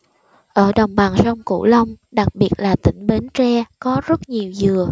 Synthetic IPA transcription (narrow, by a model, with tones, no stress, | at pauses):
ʔəː˧˩ɗə˨˩wŋ͡mɓaː˨˩nsə˧wŋ͡mkṵ˧˩lə˧wŋ͡m | ɗa˨˩k̚ɓi˨˩ət̚laː˨˩t̪ï˧˩˦ŋ̟ɓe˨˦nt͡ɕɛ˧kɔ˨˦zə˦˥t̚ɲi˨˩əwzɨ˨˩ə